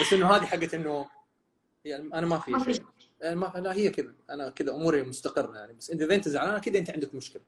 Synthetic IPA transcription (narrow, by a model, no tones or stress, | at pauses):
basːʔɪnːuɦaːðiħaɡːaʔɪnːu | janʔanamafiː | amalahɪjːakɪd̪aʔanakɪðaʔʊmuːɾimʊst̪aqɨrˤːajaʕnibasːʔɪnt̪iðeːnt̪ɪzʕalaːnakiːd̪aʔɪnt̪ʕɪnd̪akmʊʃkɪla